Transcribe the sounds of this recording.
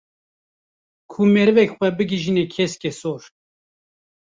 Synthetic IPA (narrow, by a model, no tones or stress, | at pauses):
kʰumeɾɨvɛkxʷɛbɨɡiʒinekʰɛskʲɛsoːɾ